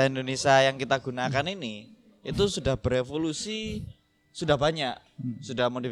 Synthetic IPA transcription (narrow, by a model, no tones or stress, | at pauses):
aindonesiajaŋkit̪aɡunakanini | it̪usudahb̥əɾefolusi | sudahbaɲaʔ | sudahmodi